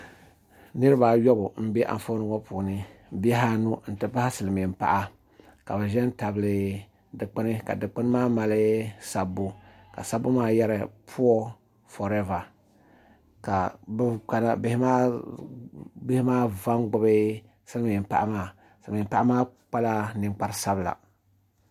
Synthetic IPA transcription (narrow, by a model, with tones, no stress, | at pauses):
nɨ˦ɾɨ˦ba˨jɔ˦bʊ˨m̩˦bɛ˦ʔa̰˨n˨fo˦nɨ˦ŋɔ˦puː˨nɨ˦bɛ˦ɦa˦nu˦n̩˨tɨ˦pa˦ha˦sɨ˨lɨ˨mi˨m̩˨pa̰˨ʔa˦ | ka̰˨bɛ˨ʒɛ˦n˦ta˨bɨ˨lɨ˨ | dɨ˨k͡pɨ˦nɨ˦ka̰˨dɨ˨k͡pɨ˦nɨ˦maː˦ma˨lɨ˦sa˨bːu˦ | ka̰˨sa˦bːu˦maː˦ja˦ɾɨ˨pʰu˦ɔ˦ | fɔ˨ɾɛ˦va˨ | ka˨ba˦na˦bɪ˦hɪ˦maː˦ | bɪ˦hɪ˦maː˦va˦nɡ͡bɨ˦bɨ˦ | sɨ˦lɨ˦mi˨m̩˨pa̰˨ʔa˨maː˦˨ | sɨ˨lmɪ˨mpa˦ʔa˦maː˦k͡pa˦la˦nɨ˦ŋ͡mk͡pa˦ɾsa˦bɨ˨la̰˨